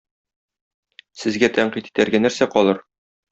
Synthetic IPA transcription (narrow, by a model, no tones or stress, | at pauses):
sɘ̆zɡæt̪æɴqit̪i̥t̪æɾɡænæɾsæqɒlˠɤɾ